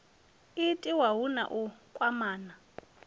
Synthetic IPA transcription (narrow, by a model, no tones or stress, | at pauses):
ɪtʼiwaɦuna̰ʔukʼwamaːna